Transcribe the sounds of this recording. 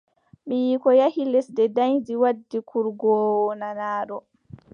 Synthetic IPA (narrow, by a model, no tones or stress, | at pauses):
mijiːkɔjahilɛsdɛdajd͡ʒiwadːikʰuɾɡɔːwɔnanaːɾɔ